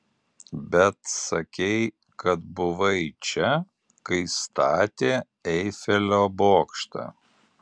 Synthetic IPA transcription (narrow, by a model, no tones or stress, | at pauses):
bʲɛt̪sɐkʲɛɪ | kɐt̪̚bʊʋɐɪt͡ʃʲɛ | kɐɪst̪ɑːt̪ʲeː | ɛɪfʲɛlʲoːboːkʃt̪ɑ̰